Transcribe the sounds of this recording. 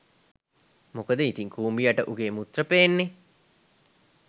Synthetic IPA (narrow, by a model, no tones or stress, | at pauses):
mokəd̪əit̪iŋkuːmbijaʈəʔuɡeːmut̪rəpeːnːe